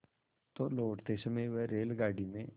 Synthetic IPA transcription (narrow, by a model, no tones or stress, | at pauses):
t̪oːloːʈt̪eːsəmẽʋeɾeːlɡaːɽimẽ